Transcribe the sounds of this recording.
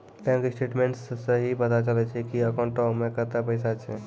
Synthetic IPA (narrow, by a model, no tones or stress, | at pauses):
pɛ̃ŋkɪsʈeːʈmẽɳʈssəɦipət̪at͡ʃəlɛt͡ʃʰɛkiəkɔ̃ɳʈɔmːekət̪apəɪsat͡ʃʰɛ